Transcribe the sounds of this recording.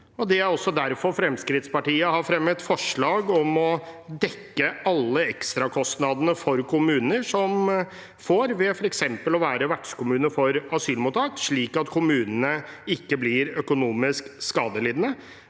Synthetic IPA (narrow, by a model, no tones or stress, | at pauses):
ɔd̪ɛæɾɔsːɔd̪æɾfɔɾfɾɛmskɾɪt̪spɑʈiːəhɑɾfɾɛmːət̪fɔʂɭɑːɡɔmɔd̪ɛkːəɑlːəɛkst̪ɾɑkʰɔst̪nɑd̪ənəfɔɾkʰʊmʉːnəʂɔm | foːɾʋɛfɔɾɛksɛmpəlɔʋæːɾəʋæʈʂkʊmʉːnəfɔɾɑsyːlmʊt̪ʰɑːt̪ʂɭiːkɑt̪kʰʊmʉːnənəɪkːəblɪɾœkʊnuːmɪskskɑːd̪əliːd̪ənə